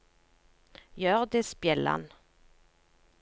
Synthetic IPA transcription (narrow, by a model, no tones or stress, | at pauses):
jœːʁd̪eːspjɛlːa̰n